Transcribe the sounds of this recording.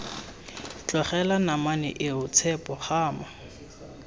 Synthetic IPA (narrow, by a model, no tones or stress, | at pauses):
t͡ɬʼwaχɛlanamanɪ̰ʔɪʊt͡sʰɛpʼɔχaːma